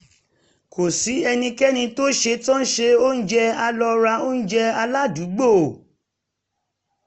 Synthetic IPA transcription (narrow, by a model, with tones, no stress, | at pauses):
kʰo˨si˨˦ɛ˧nĩ˧kɛ˦nĩ˧to˦ʃe˧tɔ̃˦n̩˦ʃe˧o˦n̩˦d͡ʒɛ˧a˧lɔ˧ɾa˧o˦n̩˦d͡ʒɛ˧a˧la˦du˨˦ɡ͡bo˦˨